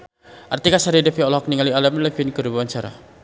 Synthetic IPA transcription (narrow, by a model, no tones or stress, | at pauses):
ʔart̪ikasaɾidɛfiɔlɔɦɔk̚niŋalialamlɛfinkəɾubuant͡ʃaɾa̰